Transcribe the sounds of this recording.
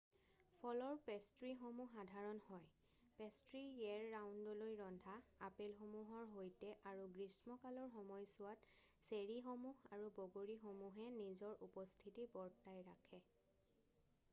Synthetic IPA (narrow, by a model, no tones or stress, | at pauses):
pʰɔlɔɹpestɹixomuxadʱaɹɔnhɔj | pestɹiɛɹːawndɔlojɹɔndʱaapelxomuɦɔɹɦojtɛʔaɹuɡɹismɔkalɔɹxɔmɔjsʊwat | seɹixomuɦaɹuboɡoɹixomuɦɛnizɔɹupɔstʰitibɔɹtajɹakʰɛ